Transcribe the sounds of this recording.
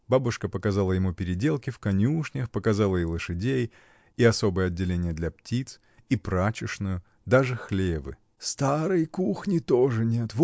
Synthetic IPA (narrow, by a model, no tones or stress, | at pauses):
babʊʂkəpəkɐzalˠəjɪmupʲɪɾʲɪdʲe̞lˠkʲɪfkɐnʲuʂnʲəxpəkɐzalˠəilˠɨʂɨdʲej | iɐso̞bɨjəɐdʲːɪlʲenʲɪjəd̪lʲɐptʲit̪s | ipɾat͡ɕɪʂnʊjʊ | d̪aʐɨxlʲebɨ̰ | st̪aɾɨjkuxnʲɪt̪oʐɨnʲe̞t̪v